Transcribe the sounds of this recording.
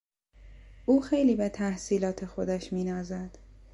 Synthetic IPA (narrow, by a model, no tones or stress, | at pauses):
ʔuːxe̞jliːbet̪ʰæhsiːlɒːt̪ʰe̞xo̞d̪æʃmiːnɒːzæd̪̥